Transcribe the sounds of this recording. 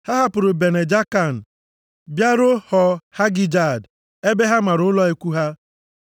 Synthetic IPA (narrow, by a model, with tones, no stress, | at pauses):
ha˦ɦa˦pʊ˨ɾʊ˨be˨ne˨d͡ʒa˦ka˦˨n̩˨ | bja˦ɾʊ˦hɔ˨ha˦ɡi˦d͡ʒa˨d | e˦be˦ɦa˦ma˨ɾʊ˨ʊ˦lɔ˦e˦kʷu˦ɦa˦